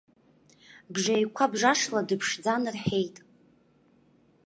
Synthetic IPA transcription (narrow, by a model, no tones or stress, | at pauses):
bʐajkʷʰabʐaʂladɨpʰʂd͡zanɨrħejtʼ